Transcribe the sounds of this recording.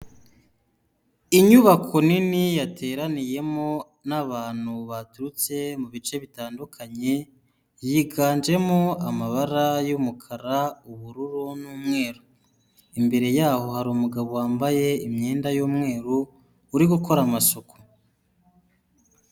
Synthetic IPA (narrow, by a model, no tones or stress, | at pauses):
iɲuβakʰo̞ninijatʰe̞ːɾanije̞mo̞ | naβaːn̥huβatuɾut͡se̞muβit͡ʃe̞βitaːndukʰaɲe̞ | jiːɡaːnd͡ʒe̞moamaβaɾajumukʰaɾauβuɾuɾunuːmŋe̞ːɾu | imbe̞ɾe̞jaːho̞haɾuːmuɡaβowaːmbaje̞imɲeːndajuːmŋe̞ːɾuː | ɾiɡuko̞ɾamasokʰo̥